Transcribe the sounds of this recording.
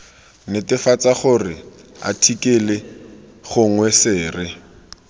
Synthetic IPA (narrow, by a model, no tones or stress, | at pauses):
nɪtɪfat͡saχʊrɪa̰tʰikɪlɪ | χʊŋwɛsɪːrɪ